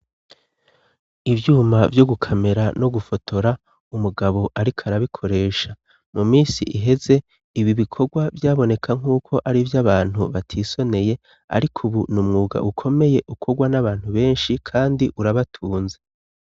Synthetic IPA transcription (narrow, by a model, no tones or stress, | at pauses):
ivjuːmavjo̞ɡukʰame̞ɾano̞ɡufo̞tʰo̞ɾa | umuɡaβo̞ʔaɾikʰaɾaβikʰo̞ɾe̞ːʃa | numiːsḭʔiɦe̞ze | iβiβikʰo̞ɡwavjaːβo̞ne̞kʰaŋ̥uːkʰo̞ʔaɾivjaβaːn̥huβatʰiːso̞ne̞je̞ | a̰ɾikʰuβunumŋuːɡa̰ʔukʰo̞me̞je̞ʔukʰo̞ɡwanaβaːn̥huβe̞ːnʃikʰaːndiʔuɾaβatʰuːnze